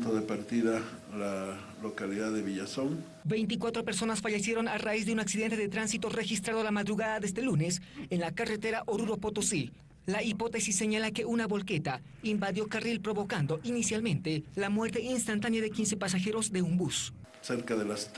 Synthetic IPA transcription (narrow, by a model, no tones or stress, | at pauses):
t̪oðepaɾt̪iða | la | lokaliðaðeβiʝasoŋ | be̞jnt̪̬ikwat̪ɾo̞pe̞ɾso̞nasfaʝe̞sje̞ɾo̞naraizðe̞unaksiðent̪e̞ðet̪ɾansit̪o̞re̞xist̪ɾaðolamaðɾuɣaðaðest̪e̞lune̞senlakaret̪e̞ɾaʔoɾuɾo̞pot̪osi | laipo̞t̪e̞sisːe̞ɲalake̞unaβo̞lke̞t̪a | imbaðjo̞karilpɾo̞βo̞kand̪o̞ʔinisjalmẽ̞nt̪e̞lamwe̞ɾt̪e̞inst̪ant̪anjaðekinse̞pas̬axe̞ɾo̞zd̪e̞umbus | seɾkaðelast̪